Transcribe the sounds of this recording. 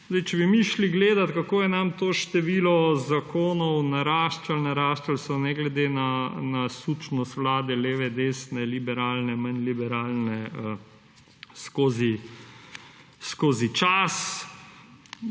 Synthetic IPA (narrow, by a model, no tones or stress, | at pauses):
zd̪ɛjt͡ʃɛbimiʃliɡleːd̪at̪kakoːjɛnamt̪oːʃt̪ɛʋilɔzakʰoːnɔwnaɾaːʃt͡ʃalnaɾaːʃt͡ʃalsɔnɛɡlɛd̪enanasut͡ʃnɔst̪ʋlaːd̪ɛleːʋɛd̪eːsnɛlibɛɾaːlnɛmanlibɛɾaːlnɛə | skoːzi | skoːzit͡ʃas